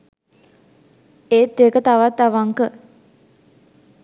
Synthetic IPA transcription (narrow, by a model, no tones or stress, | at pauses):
eːt̪ːeːkət̪aʋat̪ːaʋaŋkə